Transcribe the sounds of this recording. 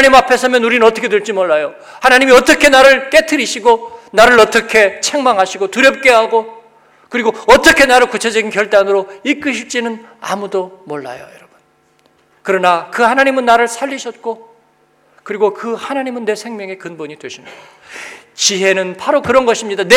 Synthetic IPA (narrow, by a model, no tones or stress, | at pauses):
ɲimapʰe̞sʰʌmjʌnuɾinɯnʌt͈ʰʌkʰe̞teɭt͡ɕ͈imʌɭːajo | hanaɲimiʌt͈ʌkʰe̞naɾɯɭk͈e̞tʰɯɾiɕʰiɡonaɾɯɭʌt͈ʌkʰe̞t͡ɕʰe̞ŋmaŋɦaɕʰiɡotuɾjʌp̚k͈e̞ɦaɡo | kɯɾiɡoʌt͈ʌkʰe̞naɾɯɭkut͡ɕʰe̞d͡ʑʌɡinkjʌɭt͈anɯɾoik͈ɯɕʰiɭt͡ɕ͈inɯn | a̰mudomoɭːa̰jojʌɾʌb̥un | kɯɾʌnakɯhanaɲimɯnːaɾɯɭsʰaʎːiɕʰʌt̚k͈o | kɯɾiɡokɯhanaɲimɯnːe̞sʰe̞ŋmjʌŋe̞kɯnboɲidweɕʰinɯ | t͡ɕiɦe̞nɯnpaɾokɯɾʌnɡʌɕʰimɲidane